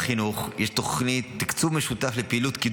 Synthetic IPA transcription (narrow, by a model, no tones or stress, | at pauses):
χinuχjʔeʃt̪o̞χnit̪ːikt͡suvmeʃutaflepeʔiːlut̪kid